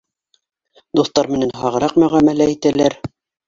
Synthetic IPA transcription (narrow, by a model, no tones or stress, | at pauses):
d̪uθt̪ɑɾmɘ̆nænɦɑʁɤ̆ɾɑqmɵ̆ʁæmælæit̪ælæɾ